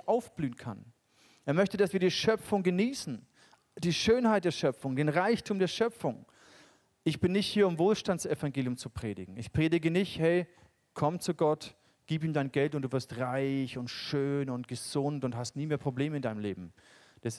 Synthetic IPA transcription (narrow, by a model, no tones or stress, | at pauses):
ʔaʊfb̥lyːnkʰa̰n | ʔeːɐmœçtədasv̥iːɐdiːʃœp͡fʊŋɡəniːsn̩ | d̥iːʃøːnhaɪt̚d̥eːɐʃœp͡fʊŋdeːnʁaɪçtʰuːmdeːɐʃœp͡fʊŋ | ʔɪçb̥ɪnːɪçthiːɐʊmvoːlʃtantt͡sɛfaŋɡeːljʊmt͡supʁ̥eːdɪ̰ɡŋ̩ɪçpʁ̥eːɾɪɡənɪçthɛɪ | kʰɔmt͡suɡɔt | ɡ̥iːpiːmdaɪnɡɛltʊntd̥uːvɪɐstʁaɪçʊntʃøːnʊntɡ̥əz̥ʊntʊnthastniːmeːɐpʁ̥obleːməɪndaɪəmleːbm̩ | d̥as